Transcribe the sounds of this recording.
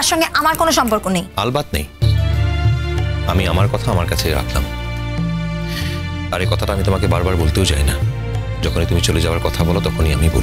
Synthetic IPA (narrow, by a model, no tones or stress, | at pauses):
aɾʃɔŋɡeʔamaɾkonoʃɔmpoɾkonejalbad̪nḛj | amiamaɾkɔt̪ʰaamaɾkat͡ɕʰeɾa̰kʰla̰m | aɾekɔt̪ʰaʈaamit̪omakebaɾbaɾbolt̪eod͡ʑa̰jna | d͡ʑɔkʰonit̪umit͡ɕoled͡ʑaoaɾkɔt̪ʰabɔlot̪ɔkʰoniamibo̰l